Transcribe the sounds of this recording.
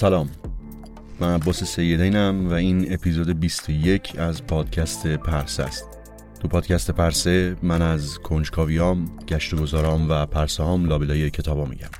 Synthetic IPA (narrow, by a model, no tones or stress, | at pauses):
sælɒːmː | ænæbːɒːse̞sejːe̞d̪ejnæmvæiːne̞pʰizoːd̪ebist̪ʰoje̞cʰæzpʰɒːd̪̥̚cʰæst̪ʰe̞pʰæɾsæ̰st̪̚ | t̪upʰɒːd̪̥cʰæst̪e̞pʰæɾsemænæzkʰo̞nd͡ʒkʰɒːvijɒːmɟ̥æʃt̪oɡo̞zɒːɾɒːmvæpʰæɾsehɒːmlɒːbelɒːjecʰe̞t̪ʰɒːbɒːmḭɟæ̰m